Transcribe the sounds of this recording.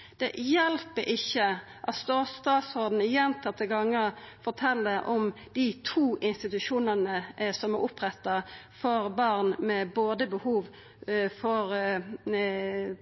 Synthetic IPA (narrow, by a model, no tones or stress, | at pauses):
d̪̥ɛjɛlpəɾʔɪçːə | ʔɑt̪st̪oːst̪ɑːt̪sod̪n̩ɪjɛnt̪ʰɑt̪ʰːəɡɑŋːəfɔɾt̪ʰɛlːəʔɔm | d̪̥it̪ʰuːʔɪnst̪ɪt̪ʉʃuːnənəsɔmæɾʊpɾɛt̪ːɑ | fɔɾbɑʁnmɛboːd̪əbəhuːʋ | fɔɾ